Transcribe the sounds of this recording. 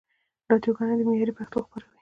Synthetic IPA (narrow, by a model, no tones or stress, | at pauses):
ɾɑd̪joɡɑned̪əmejɑɾipaxt̪oxpaɾawi̥